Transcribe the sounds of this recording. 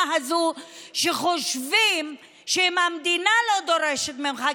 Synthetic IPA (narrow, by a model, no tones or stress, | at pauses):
ɦazuʃeχoʃvim | ʃeimhamd̪inalo̞d̪o̞ɾeʃet̪meuχa